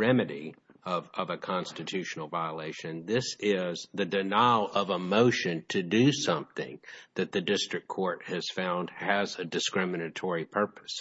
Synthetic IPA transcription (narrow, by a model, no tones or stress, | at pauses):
ɹɛmɨɾi | ʌvʌvɨkʰɑ̃nstɨtʰʉʃn̩l̩ˠvaɪəleɪʃɨ̃nðɪsɪzðɨdɨnaɪlˠʔʌvəmoʊʃɨ̃ntʰɨdɨsʌ̃mθɪ̰̃ŋðɨt̪̚ðɨdɪstɹ̥ɨkʰɔɹt̚hɨz̥fãʊ̃nd̥ɨzɨdɨskɹɪmɨnɨtʰɔɹipʰɜ˞pɨ̥s